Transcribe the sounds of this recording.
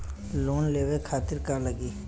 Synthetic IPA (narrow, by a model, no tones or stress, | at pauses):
loːnleːwekʰaːt̪ɪɾkaləɡiː